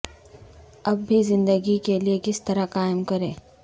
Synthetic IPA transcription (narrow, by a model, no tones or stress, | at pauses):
ɐbːʱizɪ̃nd̪əɡikeliekɪst̪ɐɾakaːɪmkɐɾẽː